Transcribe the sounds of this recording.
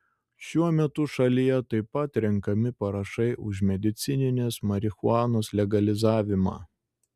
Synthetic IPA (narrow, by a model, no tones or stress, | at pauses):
ʃʲuɔmʲɛt̪ʊʃɐlʲijɛt̪ɐɪpɐt̪ɾʲɪŋkɐmʲɪpɐɾɐʃɐɪʔʊʒmʲɛd̪ʲɪt̪sʲɪnʲɪnʲeːsmɐɾʲɪxʊɑːnoːslʲɛɡɐlʲɪzɑːʋʲɪmɑ̰ː